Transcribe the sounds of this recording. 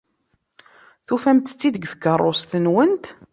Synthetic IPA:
θufæmt̪t͡sːid̪əɡθəkːərˤːosθənwənt̪

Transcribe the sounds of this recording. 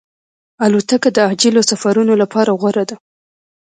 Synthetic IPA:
alut̪akad̪əad͡ʒɪlosafaɾunolapʰɑɾaɣwaɾad̪a

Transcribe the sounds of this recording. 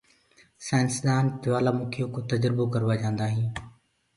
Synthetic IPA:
sɛ̃ːnsəd̪aːnpɪʋaːlaːmʊːkʰijõːkõːt̪əd͡ʒɾbokəɾʋaːd͡ʒãːnd̪aːɦĩː

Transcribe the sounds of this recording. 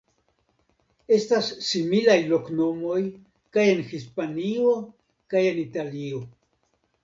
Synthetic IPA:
e̞stasːimilajlo̞kno̞mo̞j | kaje̞nxispanio | kaje̞nitalio̞

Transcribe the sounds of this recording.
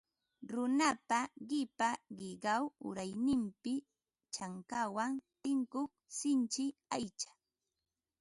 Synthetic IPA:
ɾʊnapaɢɪpaɢɪɢawʊ̰ɾajnɪmpɪ | t͡ʃaŋkawant̪ɪŋkoχsɪnt͡ʃɪajt͡ʃḁ

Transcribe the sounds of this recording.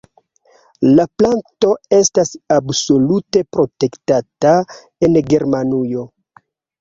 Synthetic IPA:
laplanto̞e̞stasabso̞lute̞pɾo̞te̞ktata | e̞nɡe̞ɾmanujo̞

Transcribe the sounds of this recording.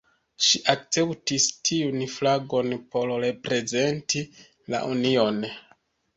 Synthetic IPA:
ʃiʔak̚t͡se̞ptistʰiunflaɡo̞npo̞ɾɾe̞pɾe̞ze̞nti | la̰ʔunio̞n

